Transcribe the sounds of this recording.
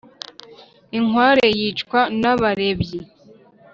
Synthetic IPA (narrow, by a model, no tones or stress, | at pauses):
iŋwaːɾe̞jit͡ʃkwanaβaɾe̞bje